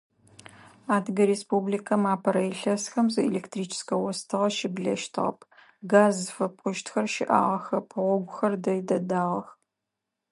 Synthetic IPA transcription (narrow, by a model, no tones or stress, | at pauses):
aːdɡɐɾeːspublikʰɐmaːpʰɐɾɐjɪɬɐsxɐmzɨḛleːktriːt͡ʃʰɪ̥skɐwɔstʰɨʁɐʃɪbɮɐ̰ʃtʰɨʁɐ̰pʰ | ɡaːzfɐpʼʊʃtxɐrʃɪ̰ʔa̰ːʁɐxɐpʰɨʁʷɔɡʷʊxɐrdɐjdɐdaːʁɐx